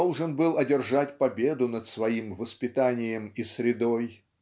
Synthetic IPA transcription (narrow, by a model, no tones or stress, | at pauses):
olˠʐɨnbɨlˠɐdʲɪrʐatʲpɐbʲe̞d̪ʊnət̪svɐimvəspʲɪt̪anʲɪjəmisɾʲɪd̪oj